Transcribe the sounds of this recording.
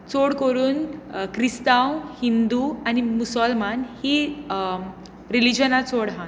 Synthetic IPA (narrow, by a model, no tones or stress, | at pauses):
t͡soɽkoɾuːnkɾist̪awhind̪uanimusɔlmanhi | ɾilid͡ʑənat͡soɽɦã